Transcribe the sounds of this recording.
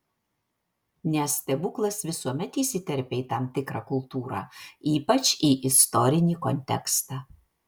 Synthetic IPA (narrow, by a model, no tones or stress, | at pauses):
nʲɛsʲt̪ʲɛbʊklˠɐsʋʲɪsuɔmʲɛt̪iːsʲɪt̪ʲɛɾʲpʲeːiːt̪ɑmt̪ʲɪkɾɑːkʊlˠt̪uːɾɑ̰ːiːpɐt͡ʃiːʔɪst̪ɔɾʲɪnʲiːkɔnʲt̪ʲɛ̰kst̪ɑː